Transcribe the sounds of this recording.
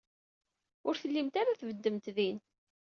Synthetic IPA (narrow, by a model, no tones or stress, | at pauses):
ʊɾθəlːimt̪aɾaθvəd̪ːəmt̪ðin